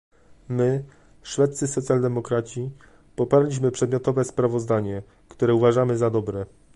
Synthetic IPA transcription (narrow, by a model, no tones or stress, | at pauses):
mɘ | ʂfɛt̪t̪sɘsɔt̪sʲjald̪ɛmɔkɾat͡ɕi | pɔpaɾlʲiɕmɘpʂɛd̪mʲjɔt̪ɔvɛspɾavɔzd̪aɲɛ | kt̪uɾɛuvaʐamɘzad̪ɔbɾɛ